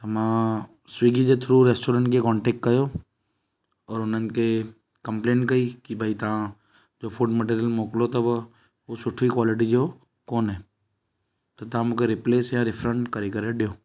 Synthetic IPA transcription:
t̪ɐmã | swiːɡid͡ʒet̪ʰʊɾuɾeːsʈoːɾə̃ɳʈkekɔ̃ːɳʈeːk̚ʈkəjoː | ɔːɾʊnənke | kəmplẽːɳʈkɐikibʱait̪ɐã | d͡ʒoːfʰuʈməʈiːɾijəlmoːklot̪ɐb | osʊʈʰikwaːlɪʈ̬id͡ʒoː | koːnɦɛː | t̪ot̪ãmũkeɾɪpleːsjãɾɪpʰɾəɳʈkəɾekəɾeɖjoː

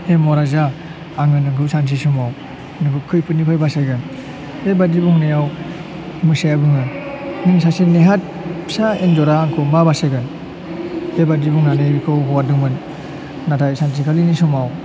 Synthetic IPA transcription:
hemɔɾazaː | ŋɯnɯŋkʰɯsans̬isumaw | nɯkʰɯkʰɯjpʰɯnipʰajbasajɡɯn | hebadibuŋnajaw | mɯsajabɯŋɯnɯŋs̬asineɦat̚ | psaend͡ʒɔɾaːŋkʰɯmbabasaɡɯn | hebadibuŋnaneikʰɯwɦɔwadɯŋmɯnː | atʰajsans̬ʰikʰalinisumaw

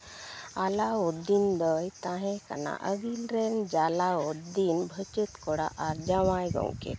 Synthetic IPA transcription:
alaud̪ind̪əjt̪ãɦɛ̃ka̰na̰ʔəɡilɾɛnd͡ʒalaod̪inbʱət͡ʃət̪kɔɽa̰ʔaɾd͡ʒawajɡɔ̰wkɛ̰

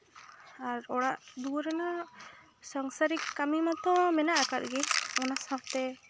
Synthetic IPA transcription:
aɾɔɽaʔd̪uɾɛna | saŋsaɾikːamimat̪ɔ̃mɛnaʔakat̪̚ɡɛɔnasãpt̪ɛ

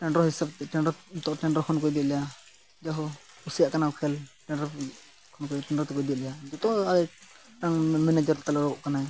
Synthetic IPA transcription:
ʈɛɳɖɾɔɦisab̚t̪ɛʈɛnɾɔt̪ɔʔʈɛɳɖɾɔkʰɔnkɔjbɛt̪lɛja | d͡ʒaɦɔ | usjaʔkanakʰɛlʈɛɳɾɔ | kʰɔnkɔʈɛɳɖɾɔt̪ɛkɔjbɛʔ̪lɛjaid͡ʒ̪ɔt̪ɔ̃ʔaɾɛ | ʈaŋmɛnad͡ʒɔɾt̪alɛɾɡɔʔkanaj

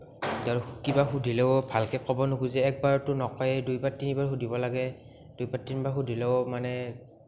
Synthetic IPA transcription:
daɹkibaxudʱilɛbʱalkɛkɔbɔnuɡuzɛːk̚baɹtʊnɔkɔjɛdujbatinibaɹxudʱibɔlaɡɛ | d̥ujbaɹtinibaɹxudʱilɛomanɛ

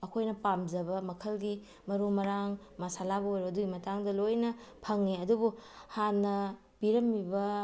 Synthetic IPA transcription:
ɐkʰojnɐpamzɐbɐmɐkʰɐlɡi | mɐɾumɐɾaŋ | mɐsalabɐojɾoɐduɡimɐtaŋdɐlojnɐpʰɐŋniɐdubuhanːɐ | b̥iɾɐmːibɐ

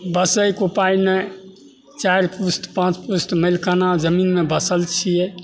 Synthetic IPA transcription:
bəsəjkupajne | t͡ʃajɾpust̪pãt͡ʃpust̪məjlkanad͡ʒəminmebəsəlt͡ʃʰijɛ

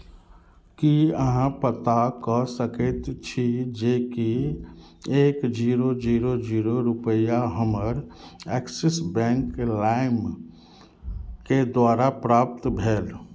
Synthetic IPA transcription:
kiəɦãpət̪akɔsəket̪t͡ʃʰid͡ʒeːki | eːkd͡ʒiːɾod͡ʒiːɾod͡ʒiːɾoɾʊpəjaɦəməɾɛksesbɛ̃ŋklaɪm | ked̪waːɾapɾaːp̚t̪bʱeːl

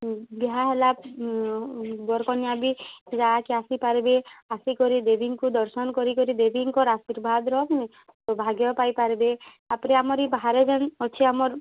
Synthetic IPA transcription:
biɦaɦela | bɔɾkɔnjabid͡ʒakeasipaɾibeasikɔɾid̪ebʱiŋkud̪ɔɾsɔnɔkɔɾikɔɾid̪ebʱiŋkɔɾasiɾbʱad̪ɾɔɦɔkini | t̪ɔbʱaɡjɔpajpaɾibe | apɾeamɔɾibaɦaɾed͡ʒenɔt͡ʃʰiamɔɾ

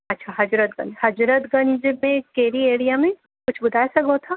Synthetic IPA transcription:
ɐtːʃʰaɦɐd͡ʒɾət̪̚ɡɐ̰̃nd͡ʒhɐd͡ʒɾət̪ɡɐ̃nd͡ʒmẽkeːɾieːɽijamẽ | kʊt͡ʃʰbʊd̪ʱaːjsɐɡɦot̪ʰaː

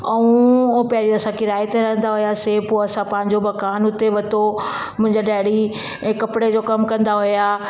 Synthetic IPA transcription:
ɐũpjaɾiɐsãkʰɪɾaːjɪt̪eɾɐɦə̃nd̪aɦʊjaseːpoɐsãpɐ̃ɦɪ̃ɲd͡ʑomɐkaːnʊt̪eʋɐt̪o | mʊ̃ɦɪ̃ɲd͡ʑaɖaːɪɽĩ | kɐpɪɽed͡ʑoːkɐmkɐ̃nd̪aɦʊjaː

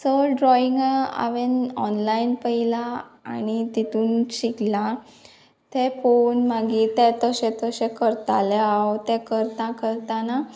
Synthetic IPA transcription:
səɖɾɔiŋɡa̰ʋenɔnlainpəila̰ːñit̪it̪ʰuːnɕikla | t̪ɛfonmaɡit̪ɛt̪əɕɛ̃t̪əɕɛ̃kəɾt̪a̰lɛawt̪ɛkəɾt̪ãkəɾt̪ana

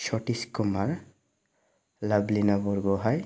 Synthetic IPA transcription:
ʃɔʈiskumaɹ | lablinabɔɹɡɔɦaj

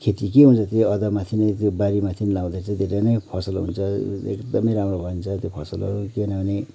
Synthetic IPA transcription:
kʰet̪ik̬eɦunt͡sʰʌt̪jeʌd̪ʌmat̪ʰinet̪jobaɾimat̪ʰinlaw̃d̪at͡sʌ̃d̪ʱeɾenʌjpʰʌsʌlɦṵnt͡sʰʌḛkd̪ʌmʌjɾamrobʱʌint͡sʰʌt̪jopʰʌsʌlʌ̰ɾukenawne

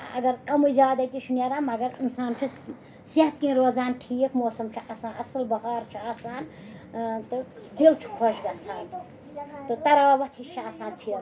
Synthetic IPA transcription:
ɐ̰ɡɐɾkɐmujd͡ʒaːd̪ɐt̪isunjaɾamɐɡɐɾinsaːnt͡ʃʰi | seɦɐt̪kĩɾod͡zaːnʈʰijekmoːsɐmt͡ʃʰiʔasaːnɐsɐlbɐɦaːɾt͡ʃʰiaːsaːn | t̪ɨd̪ilt͡ʃʰu̥kʰoʃɡɐsʰaːn | t̪ɨt̪ɐɾaːbɐt̪ʰit͡ʃʰiaːsaːnpʰiɾ

